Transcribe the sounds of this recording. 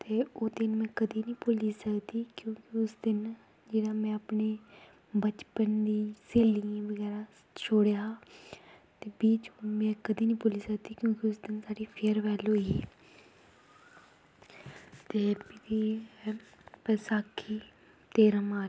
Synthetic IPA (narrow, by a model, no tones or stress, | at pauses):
t̪eːoːd̪ɪnmɛ̃ːkəd̪iːnĩːpʊliːsəkd̪iːkjõːkɪʊsd̪ɪn | d͡ʒeːɽaːmɛ̃ːapneː | bət͡ʃpənd̪iːseːlijãːʋəɡɛːɾaː | t͡ʃʰoːɽjaː | t̪eːbiːt͡ʃːmɛ̃ːkəd̪iːnĩːpʊliːsək̚d̪iːkjõːkɪʊsd̪ɪnsaːɖiːpʰeɾʋɛːloːi | t̪eːpɪt̪iː | pəsaːkʰːiː | t̪eːɾãːmaː